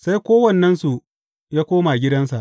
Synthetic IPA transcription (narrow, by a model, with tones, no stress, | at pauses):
sa˦jkʷoː˦wɐ˦˨nːɐ˦nsu˨ | jaː˦kʷoː˦ma˨ɡʲɪ˦dɐ˦nsa˨ʔ